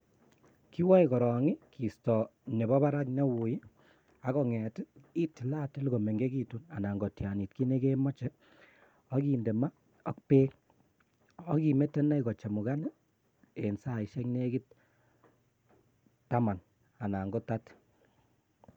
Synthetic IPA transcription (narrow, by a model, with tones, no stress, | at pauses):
ki˦wɔ˦ikɔ˨ɾɔ˨ŋi˦ki˨stɔ˨ne˨bɔ˦ba˦ɾa˦kɲa˦wu˨ji˦ | a˨˦kɔ˨ŋɛ˨ti˦ti˨la˦tɪ˦lko˨me˨ŋɡe˦ki˦tu˦na˨na˨ŋɡo˨tja˨ni˨t̚ki˦ne˦ke˦mɔ˦t͡ʃɛ˦ | ɔ˦ki˨nde˨ma˦ | ɔ̰˦k̚peː˦k | ɔ˦ki˨me˦tɛ˦na˦ikɔ˨t͡ʃa˨mu˨ka˦nɪ˦ | e˨nsa˨i˨ʃɛ˦kne˦ki˦t̚ | tːa˦ma˨n | a˨na˨ŋɡɔ˦ta˦t